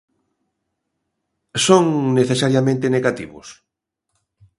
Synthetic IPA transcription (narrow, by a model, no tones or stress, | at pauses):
soŋneθesaɾjamẽnt̪eneɣat̪ḭβʊ̰s